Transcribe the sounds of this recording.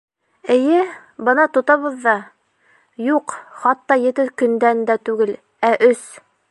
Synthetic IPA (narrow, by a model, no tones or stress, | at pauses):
ɘ̆jɘ | bɤnɑt̪ŏt̪ɑβɤ̆ðːɑ | juqχɑt̪ːɑjɘ̆t̪ɘkɵ̆nd̪ænd̪æt̪ʉɡɘl | æʔɵs